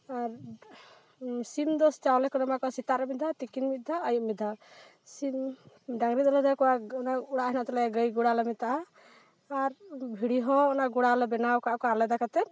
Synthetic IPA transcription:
aɾ | sind̪ɔst͡ʃawlɛkɔnamakɔsit̪aɾɔmid̪ʱat̪ikinmit̪̚d̪ʱaəjuʔ̚mid̪ʱa | sin | ɖaŋɾid̪ɔlɛd̪akɔwaɔnauɽaʔɦɛnat̪ɔlɛɡəjɡuɽalɛmit̪aː | ɾbʱiɽiɦɔ̃ɔnaɡuɽalɛbɛnawkaʔkɔalɛd̪akat̪ɛ

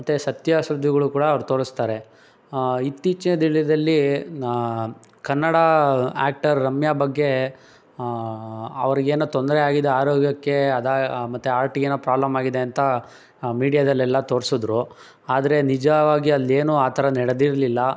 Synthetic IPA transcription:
ɐt̪ːesɐt̪jaːʃɾud̪ʱːiɡɐɭukuːɽɐːʋɐɾut̪o̞ːɽist̪aːɾe̞ | it̪ːiːt͡ʃinɐd̪iɭid̪ɐlːi | kɐnːɐɽaa̰ːk̚ʈɐɾːɐmjabɐɡːe̞ | ɐ̰ʋɐɾiɡeːnut̪ond̪ɐɾeaːɡid̪eaːɾoːɡjɐkːe̞ɐd̪aːmɐt̪ːeaːɾʈiɡeːnupɾaːblɐmaːɡid̪e̞ɐnt̪ɐ | miːɽijad̪ɐlːɛlːɐt̪o̞ːɾsod̪ɾu | aːd̪ɐɾe̞nid͡ʒɐʋaːɡiɐlːeːnuaːt̪ʰɐɾɐnɛɽed̪iɾlilːɐ

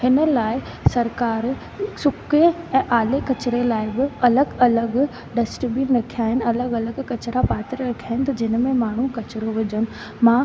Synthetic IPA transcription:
hɪnə̆laːɪ | sɐɾkaːɾ | sʊkeɛ̃ːʔaːlekɐt͡ɕɪɾelaːɪbɪɐləɡɐləɡ | ɖɐsʈbiɾɐkʰijaːɦɪnɪɐləɡɐləɡkɐt͡ɕɾapaːt̪əɾəɾɐkʰijaːɦɪnɪ̆t̪ʰɐd͡ʑɪnmẽmaːɳ̤ukɐt͡ɕɪɾoʋɪd͡ʑənɪ̆ | mãː

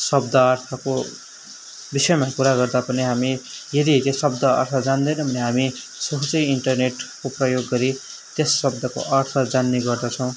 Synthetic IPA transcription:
sʌb̚d̪ʌːrt̪ʰʌko | bisʌjmakuɾaɡʌrd̪apʌniɦamijʌd̪it̪esʌb̚d̪ʌʌ̰rt̪ʰʌd͡zand̪ʌjnʌbʱʌneɦami | sʌɦut͡sʌjiɳʈʌrneʈkoprʌjoɡːʌɾi | t̪esːʌb̚d̪ʱʌko̰ʔʌrt̪ʰʌd͡zanːeɡʌrd̪ʌt͡sʰʌ̃w̃

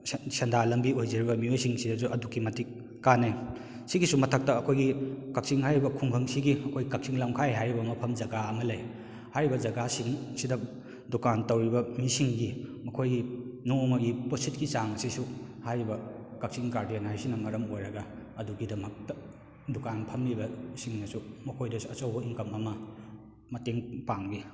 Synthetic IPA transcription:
sendalɐmbiojzɐɾibɐmiojsiŋsidɐzuɐdukːimɐtik̚ː | ane | siɡisumɐtʰɐk̚tɐːkʰojɡikɐk̚siŋɦajɾibɐkʰuŋbʰʱɐŋsiɡiɐkʰojɡikɐk̚siŋlawkʰajɦajɾibɐmɐpʰɐmd͡ʒɐɡaɐmɐlɐj | hajɾibɐd͡ʒɐɡasiŋsidɐ | dukantɐwɾibɐmisiŋɡimɐkʰojɡinomɐɡiposit̚kit͡ʃaŋɐsisuhajɾibɐ | kak̚siŋkaɾdianhajsinɐmɐɾɐmojɾɐɡɐ | ɐduɡidɐmɐk̚tɐ | dukanpʰɐmlibɐsiŋnɐsumɐkʰojdɐsuɐt͡ʃɐwboiŋkɐmɐmɐ | mɐteŋpaŋbi

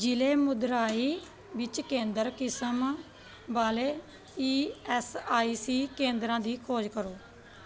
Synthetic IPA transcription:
d͡ʒɪleːmʊd̪ɾaːiː | ʋɪt͡ʃkẽːnd̪əɾkɪsəm | baːleː | iːɛsaːiːsiːkẽːnd̪ɾãːd̪iːkʰoːd͡ʒkəɾoː

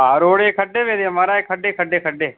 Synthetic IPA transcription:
aɾoːɽeːkʰəɖeːʋeːd̪eːmaɾaːeːkʰəɗeːkʰəɖeːkʰəɖeː

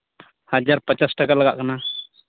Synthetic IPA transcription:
had͡ʒaɾpət͡ʃasʈakalaɡa̰ʔkana

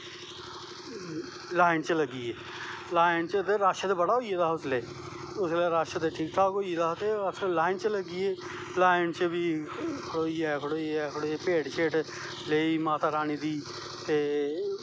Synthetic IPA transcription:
laːɪnt͡ʃələɡiːeː | laːɪnt͡ʃət̪eɾaːʃət̪ebəɽaɦoied̪aːʊsleː | ʊsleɾaːʃət̪eʈʰiːk̚t̪ʰaːkoied̪aːt̪eəslaːɪnt͡ʃələɡieː | laːɪnt͡ʃəbʱikʰʊɽoːiɛːkʰəɽoːiɛkʰəɽoepeːɖʃeːʈ | leːimaːt̪aːɾaːniːd̪iː | t̪eː

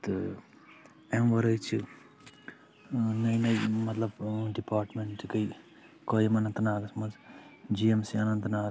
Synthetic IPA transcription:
t̪ɨ | emʋɐɾɐjt͡ʃʰi | nɐjnɐjmɐt̪lɐbɖipaːɾʈmeɳʈkɐj | koːjɐmɐnɐnt̪ɐnaːɡɐsmɐnzd͡ʒiemsiɐnɐnt̪naː

